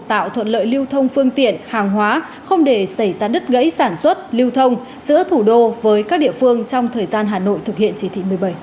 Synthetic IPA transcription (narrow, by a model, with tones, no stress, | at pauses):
t̪a̰ː˧˨wt̪ʰwə̰˧˨nlə̰ː˧˨jli˧əwt̪ʰə˧wŋ͡mfɨ˧əŋt̪ḭ˧˨ənhaː˨˩ŋɦwaː˨˦ | xə˧wŋ͡mɗe˧˩sa˧˩jzaː˧ɗə˦˥t̚ɣə̰˧˥jsaː˧˩nswə˦˥t̚li˧wt̪ʰə˧wŋ͡m | zɨ̰˧˥ət̪ʰu˧˩ɗo˧vəː˨˦jkaː˦˥k̚ɗḭ˧˨əfɨ˧əŋt͡ɕɔ˧wŋ͡mt̪ʰəː˨˩jzaː˧nɦaː˨˩no̰˧˨jt̪ʰɨ˨˩k̚hḭ˧˨ənt͡ɕi˨˦t̪ʰḭ˧˨˩mɨ˨˩əjɓə˧˩j